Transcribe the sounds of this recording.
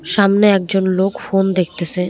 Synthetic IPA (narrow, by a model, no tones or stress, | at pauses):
ʃamneɛk̚d͡ʑonlokfond̪ek̚ʰt̪et͡ɕʰe